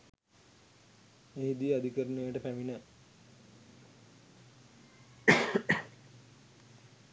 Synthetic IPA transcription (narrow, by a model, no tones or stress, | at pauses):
eɦid̪iad̪ikəɾunuejəʈəpæminə